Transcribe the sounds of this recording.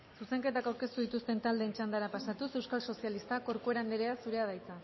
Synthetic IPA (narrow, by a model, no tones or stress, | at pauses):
suse̞ŋke̞t̪akawɾke̞st̪uð̞it̪ust̪e̞nt̪ald̪e̞ːnt͡ʃand̪aɾapasat̪use̞wskalso̞sialist̪ako̞ɾkoe̞ɾand̪eɾeasuɾe̞að̞ajt͡sa